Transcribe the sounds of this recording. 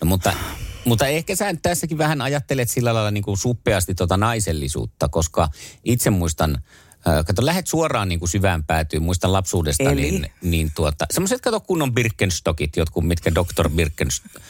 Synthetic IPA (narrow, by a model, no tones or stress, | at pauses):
nomut̪ːɑ̰mut̪ːɑehkæsæːnyt̪t̪æsːækiʋʋæhænɑjɑt̪ːelet̪silːælɑilɑniːŋkunsupːˑeɑst̪it̪t̪ːuot̪ɑnɑiselːisṵːt̪ːɑkoskɑit̪semmuist̪ɑnː | kɑt̪olæhet̪suorˑɑːnniːŋkusyʋæːmpæːt̪yːmmuist̪ɑlɑpsuːdest̪ɑnḭnniːnt̪uot̪ɑ̰semːoset̪̚kɑt̪okkunːombirkːenst̪okit̪jot̪kummit̪kædokt̪o̰rbirkːens